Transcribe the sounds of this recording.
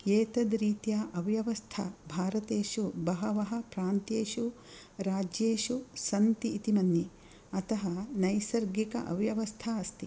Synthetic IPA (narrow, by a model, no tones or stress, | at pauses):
eːt̪ɐd̪ɾiːt̪jaːʔɐʋjɐʋɐst̪ʰɐ̰bʱaːɾɐt̪eːʃubɐɦɐʋɐɦɐ̆pɾaːnt̪eːʃu | ɾaːd͡ʒjeːʃusɐnt̪iːt̪imɐnji | ɐt̪ɐɦɐnɐjsɐɾɡikɐ̰ʔɐ̰ʋjɐʋɐst̪ʰaːɐst̪i